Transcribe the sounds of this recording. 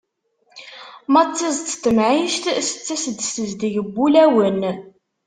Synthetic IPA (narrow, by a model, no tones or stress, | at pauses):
mɑt͡sːizt̪t̪ːəmʕiʃt̪sə̥t͡sːæsəd̪səzd̪iʝəbːulæwən